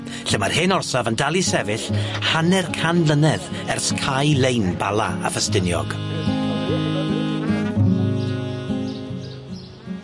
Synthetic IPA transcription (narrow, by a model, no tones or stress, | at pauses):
ɬɛmarhɪnɔrsavəndalˠisɛvɪɬhanɛrkʰanlənɛðɛrskʰajlejnbalˠa̰a̰fəstɪnjɔ̰ɡ̥